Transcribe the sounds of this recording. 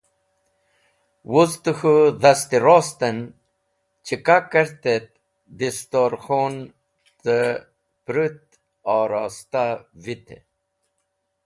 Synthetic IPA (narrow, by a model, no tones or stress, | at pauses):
wuzt̪əxuðast̪iɾoːst̪ən | t͡ɕʰikakəɾt̪et̪̚ | d̪ist̪oɾxon | t̪ə | pɾut̪ | ɑːɾɑːst̪avit̪ḛ